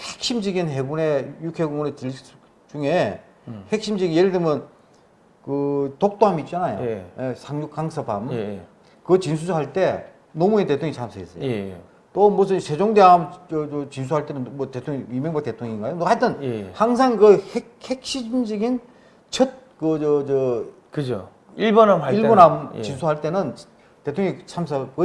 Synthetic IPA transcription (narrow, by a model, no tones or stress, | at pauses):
hek̚ɕ͈imd͡ʑiɡinɦeɡune̞jukʰeɡuŋonet͡ɕis | t͡ɕuŋe | hek̚ɕ͈imd͡ʑɯɡinjeɾɯdɯmjɯn | kɯtok̚t͈oɦamit̚t͡ɕ͈anajo̰jesʰaŋjukk͈aŋsʰʌpa̰m | kɯt͡ɕins̬ʰusʰɦaɭt͈e̞ | nomuete̞tʰoŋeit͡ɕʰamsʰɯɡes͈ʌjo | t͈omus̬ʰɯnsʰe̞d͡ʑoŋdeɦamʌot͡ɕins̬ʰuɦaɭt͈e̞nɯnmʌtetʰoŋiimeŋbak̚te̞tʰoŋiŋɡaɲjomokaɭtʰɯnhaŋsʰaŋkɯhekhek̚ɕ͈id͡ʑimd͡ʑɯɡin | t͡ɕʰʌt̚kɯʌd͡ʑʌ | kɯd͡ʑo | iɭbonamaiɭbonɦamt͡ɕinsʰuɦaɭt͈e̞nɯn | te̞tʰoŋeit͡ɕʰams̬ʰʌkɯ